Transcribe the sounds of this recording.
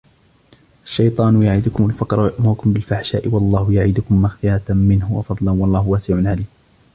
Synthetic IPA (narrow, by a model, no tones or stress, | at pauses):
ʔaʃːɑjt̪ˤɑːnʊjaʕiːd̪ʊkʊmʊlfɑqɾˤɑwajʊʔmʊɾʊkʊmbɪlfaħʃa̰ːʔɪwɑlˤːɑːhʊjaʕiːd̪ʊkʊmːaxfɪjaːt̪mɪnhʊwɑ̰fɑd̪ˤlɑnwɑlˤːɑːhʊwaːsɪʕʊnʕaliːm